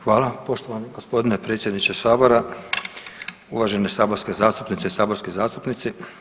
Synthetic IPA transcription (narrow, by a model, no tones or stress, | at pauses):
xʋaːlapo̞ʃt̪oʋaniɡospo̞d̪inepɾet̪sje̞d̪nit͡ʃesaːbo̞ɾa | uʋaʒe̞nesaːboɾskezaːst̪u̥pnit̪seisaːbo̞ɾskizaːst̪upnit̪si